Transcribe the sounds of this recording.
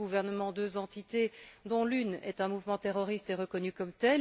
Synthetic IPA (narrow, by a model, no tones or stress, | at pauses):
ɡuvɛʁnəmɑ̃d̪øzɑ̃t̪it̪ed̪ɔ̃lynɛ̰t̪ɛ̃muvmɑ̃t̪eʁɔʁist̪ɛʁəkɔnykɔmt̪ɛ